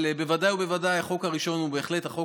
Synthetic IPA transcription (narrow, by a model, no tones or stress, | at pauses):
lebevadajube̞vadajaχo̞khaʁiʃo̞nubeːχlet̪haχo̞k